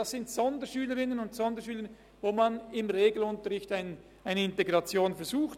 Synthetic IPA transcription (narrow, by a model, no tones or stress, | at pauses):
dɑsɪntsɔndəʃyːləʁɪnənʊntsɔndəʃyːlən | voːmanɪmʁeːɡl̩ʊntəʁɪçtaɪn | ʔaɪnəɪnteɡʁɑt͡sjoːnfɛɐzuːxt